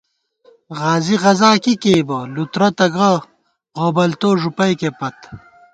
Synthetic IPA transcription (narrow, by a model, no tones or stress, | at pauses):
ʁaːziʁɐzaːkikeːbɐlut̪ɾɐt̪ɐɡɐ | oːbɐlt̪oːʐupɐjkepɐt̪